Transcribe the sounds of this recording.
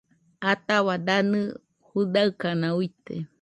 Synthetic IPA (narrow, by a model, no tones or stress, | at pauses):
at̪aβad̪anɨ | hud̪aɨkanãuit̪ḛ